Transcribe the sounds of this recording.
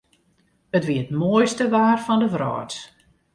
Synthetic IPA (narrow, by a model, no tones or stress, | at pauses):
ətʋiəətmoəjstəʋaːrfɔndəʋrɔ̰ːt